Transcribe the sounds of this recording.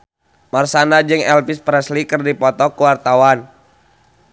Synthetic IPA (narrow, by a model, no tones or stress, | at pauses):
marsanad͡ʒɨŋɛlpispɾɛslikɨrdipɔt̪ɔkuwart̪awan